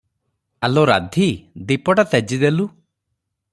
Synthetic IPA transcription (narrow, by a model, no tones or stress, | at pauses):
alɔɾa̰d̪ʱid̪ipɔʈat̪ɛd͡ʒid̪elu